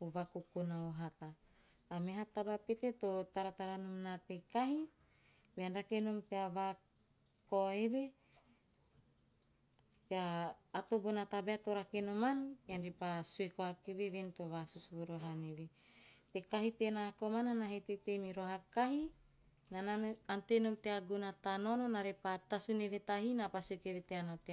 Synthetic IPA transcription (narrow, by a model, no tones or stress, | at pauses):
uvakukunaoɦat̪aː | meɦat̪abapet̪et̪ot̪aɾat̪aɾanumnat̪ekaɦi | beanɾakenomteava | koeβe | teaːt̪obonat̪abeat̪oɾakenomankeanɾepasuekoakeveβent̪oβasusuβuɾoɦanevet̪ekaɦit̪enakomananaɦet̪etemiɾoɦakaɦi | naaantenomteaɡunat̪anononaɾepat̪asunevet̪aɦinapasukeβeteanate